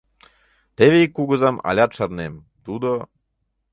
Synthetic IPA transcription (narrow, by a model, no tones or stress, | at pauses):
t̪eβeikːuɡŏzɑmɑ̰lʲɑt̪̚ʃɑrnem | t̪ud̪o